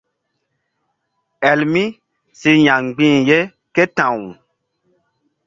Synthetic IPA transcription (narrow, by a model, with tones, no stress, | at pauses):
ɛ˨lmi˦ | si˦ɲã˨ŋ˨ɡ͡bĩː˦˨je˦ | ke˦tã˨w